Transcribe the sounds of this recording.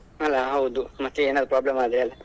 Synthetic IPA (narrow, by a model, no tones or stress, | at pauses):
ɐlːaɦɐwd̪umɐt̪ːeeːnaːd̪ɾupɾaːblɐmaːd̪ɾeɐlːa